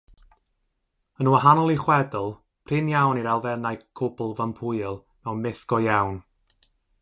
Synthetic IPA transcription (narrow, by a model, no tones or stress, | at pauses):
ənwaɦanɔlˠiχwɛdɔlˠ | pʰr̥ɪnjawniɾalˠvɛnajkʰʊblˠvampʰʊɨlˠ | mɛwnmɪskɔjawn